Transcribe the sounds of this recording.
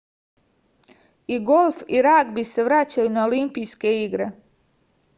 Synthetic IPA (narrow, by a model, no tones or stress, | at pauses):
iɡolˠfiɾaɡbise̞ʋɾat͡ɕajunaolimpijske̞iɡɾe